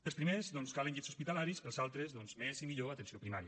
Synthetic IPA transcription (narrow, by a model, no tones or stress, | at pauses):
əlˠspɾimezðɔnskalənʎesuspit̪əlaɾisəlˠzalˠt̪ɾezðɔnzmezimiʎoat̪ənsiopɾimaɾiə